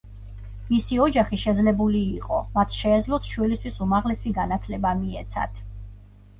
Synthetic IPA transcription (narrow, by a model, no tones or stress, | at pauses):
misiɔd͡ʒaχiʃɛd̪zlɛbuliːqʼɔmat̪ʰʃɛːd̪zlˠɔt̪ʰʃwilist̪ʰwisumaʁlɛsiɡanat̪ʰlɛbamiɛt̪sʰa̰d̪̥